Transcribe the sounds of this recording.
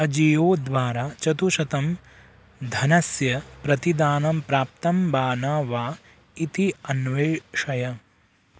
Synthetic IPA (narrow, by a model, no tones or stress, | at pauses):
ɐd͡ʒijoːd̪ʋaːɾaːt͡ʃɐt̪uʃɐt̪ɐm | d̪ʱɐnɐsjɐpɾɐt̪id̪aːnɐmpɾaːp̚t̪ɐmbaːnaːʋaː | it̪iɐnʋeːʂɐjɐ